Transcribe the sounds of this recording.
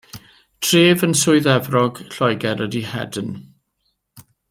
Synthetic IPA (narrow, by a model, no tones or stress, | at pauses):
tʰreːvənsʊɨðɛvrɔɡ̥ɬɔjɡɛɾədihɛ̰dn